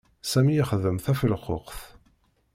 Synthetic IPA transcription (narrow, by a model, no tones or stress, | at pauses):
sæmijəχðəmθæfəlχo̰qθ